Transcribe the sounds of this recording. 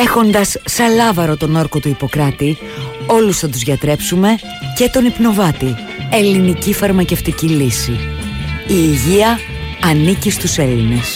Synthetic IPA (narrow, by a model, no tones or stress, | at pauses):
e̞xo̞nd̪ɐsːɐlɐvɐɾo̞t̪o̞no̞ɾko̞t̪uipo̞kɾɐt̪i | o̞lusθɐt̪uzʝɐt̪ɾe̞psume̞ | cet̪o̞nipno̞vɐt̪i | e̞linicifɐɾmɐce̞ft̪icilisi | iːʝiɐɐnicist̪use̞line̞s